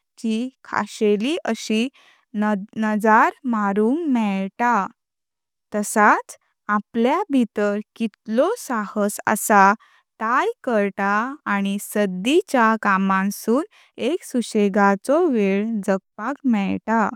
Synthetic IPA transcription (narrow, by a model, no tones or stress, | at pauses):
t͡ɕikʰa̰ɕeliʔəɕi | nəd͡zaɾmaɾuːŋmɛɭʈa | t̪əsat͡s | apljabʱit̪əɾkit̪lɔsahəsə̰sa | t̪ajkəɾtaːɽ̃isəd̪it͡ɕakamãnsuːn | eksuɕeɡat͡sɔʋeɭd͡zəɡ̚pakmɛɭʈa